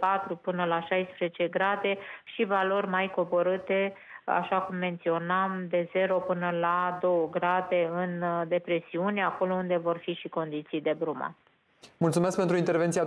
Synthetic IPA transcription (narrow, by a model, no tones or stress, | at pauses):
pat̪ɾupɨnəlaʃajspɾezet͡ʃe̞ɡɾad̪e̞ʃivalo̞rʲmajko̞bo̞ɾɨt̪e̞a̰ʃakumːe̞nt̪sio̞namd̪e̞ze̞ɾo̞pɨnəlad̪o̞wəɡɾad̪e̞ɨnd̪e̞pɾe̞siunʲeako̞lo̞und̪e̞vo̞rfiʃiko̞nd̪it̪sijd̪e̞bɾuma̰ | mult̪sumesk̚pent̪ɾuint̪e̞ɾvent̪sia